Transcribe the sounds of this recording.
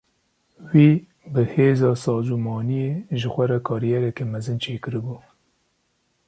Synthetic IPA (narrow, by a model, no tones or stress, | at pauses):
wiː | bɨheːzɑːsɑːzumɑːnijeːʒɨxʷɛɾɛkʰɑːɾijɛɾɛkemɛzɨnt͡ʃʰeːkɨɾɨbuː